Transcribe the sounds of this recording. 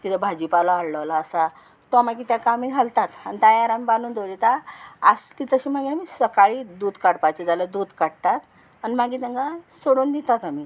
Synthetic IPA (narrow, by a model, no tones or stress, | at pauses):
kit̪ebʱad͡ʑipalaaɽləʋlaːsa | t̪ɔmaɡiːt̪jakamiɡʱalt̪at̪a̰nit̪əjaɾamibanuːnd̪olit̪aast̪it̪əɕimaɡiamisəkaɭiːd̪uːd̪kaɽpajt͡ɕid͡zaləd̪uːd̪kaɽt̪at̪ | animaɡiːt̪əŋɡasoɽuːnd̪it̪at̪ami